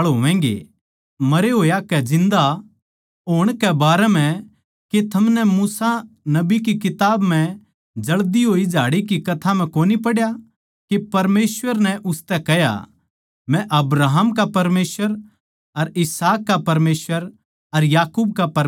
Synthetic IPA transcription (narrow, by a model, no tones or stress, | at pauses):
ɭɦoːʋɛ̃ːŋɡḛ | mɐɾeɦoːjakɛd͡ʒɪ̃nd̪a | ɦoːɽ̃kɛbaːɾɛm̤ɛ̃ | ket̪ʰɐmnɛmuːsanɐbikikɪt̪aːbm̤ɛ̃ | d͡ʒɐɭd̪iɦoːid͡ʒʱaːɽikikɐt̪ʰam̤ɛ̃koːnipɐɽja | kepɐɾmeːsʋəɾnɛʔʊst̪ɛkɛja̰ | mɛ̃ʔɐbɾaːɦəmkapɐɾmeːsʋəɾ | ɐɾɪsaːkːapɐɾmeːsʋəɾ | ɐɾjaːkuːb̚kapɐɾ